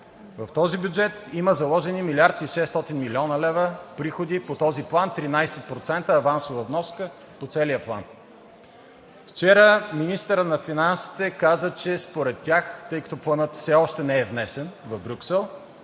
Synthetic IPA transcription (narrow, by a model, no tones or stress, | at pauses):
vɐft̪ɔzibʲjud͡ʒɛt̪iməzɐlˠɔʒɛnimilʲaɾt̪iʃɛst̪ɔt̪inmilʲiɔnəlɛvəpɾixod̪ipot̪ɔziplˠant̪ɾinajsɛt̪̚pɾot̪sɛnt̪əːvansovəvnɔskə | pot̪sɛlijəplˠa̰n | ft͡ʃɛɾəminist̪əɾənɐfinansi̥t̪ɛkazət͡ʃɛspoɾɛt̪ʲːaxt̪ɤjkə̥t̪oplˠənɤt̪fsɛɔʃt̪ɛnɛɛvnɛsɛnvɐvbɾʲuksɛlˠ